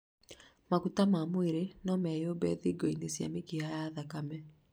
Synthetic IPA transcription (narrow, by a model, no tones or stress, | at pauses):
makutamamweɾenɔmɛjobɛðiɡɔinesja̰mekiajaðakamɛ